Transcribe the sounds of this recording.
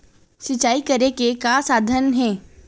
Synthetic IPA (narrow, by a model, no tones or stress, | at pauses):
sɪt͡ʃaːikɐɾekekasaːd̪ʱənɦɛ̃ː